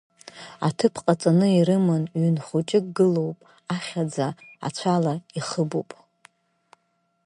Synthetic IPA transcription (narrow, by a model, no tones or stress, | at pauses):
atʰɨpʰqʼat͡sʼanɨiɾɨmɨnɥynχut͡ʃʼɪkʼɡɨlo̞wpʼ | aχʲad͡zaa̰t͡ɕʷʰalaiχəbopʼ